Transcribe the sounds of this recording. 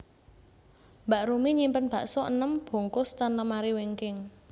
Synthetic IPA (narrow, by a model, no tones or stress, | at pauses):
mbaʔɾumiɲimpənb̥a̤ʔsɔʔə̰nəmb̥o̤ŋkʊst̪anləmaɾiweŋkɪŋ